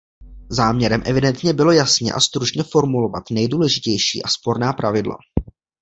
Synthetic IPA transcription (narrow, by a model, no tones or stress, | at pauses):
zaːmɲɛɾɛmʔɛvɪdɛnt̪ɲɛbɪlo̞jasɲɛ̰ʔa̰st̪ɾut͡ʃɲɛfo̞ɾmulo̞va̰t̪nɛjduːlɛʒɪcɛjʃḭːʔaspo̞ɾnaːpɾavɪdla̰